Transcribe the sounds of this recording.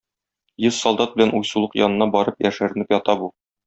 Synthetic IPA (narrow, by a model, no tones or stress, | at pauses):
jɤzsɒlˠd̪ɑt̪̚bɘ̆lænujsulˠɤqjɒnɤ̆nɑbɒɾɤpjæʃæɾɘ̆nɘpjɒt̪ɑbu